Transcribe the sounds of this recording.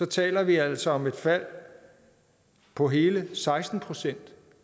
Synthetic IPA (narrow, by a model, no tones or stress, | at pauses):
sɒ̽t͡sʰɛ̰ːlɐʋiæl̰sɒɒ̽me̝d̥fæl̰ | pʰɒ̽ɦe̝ːləsɑ̈ɪsd̥n̩pʰʁo̝sen̰d̥